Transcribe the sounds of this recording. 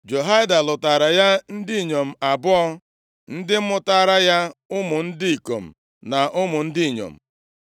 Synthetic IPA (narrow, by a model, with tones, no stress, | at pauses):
d͡ʒo˨ɦa˦ɪ˦da˨lʊ˨ta˨ɾa˨ja˦n̩˦dɪ˦i˨ɲo˨m̩˨a˨bʊ˦ɔ˦ | n̩˦dɪ˦m̩˦mʊ˦ta˦˨ɾa˦ja˦ʊ˦mʊ˨n̩˦dɪ˦i˨ko̰˨m̩˨ | na˨ʔʊ˦mʊ˨n̩˦dɪ˦i˨ɲo̰˨m̩˨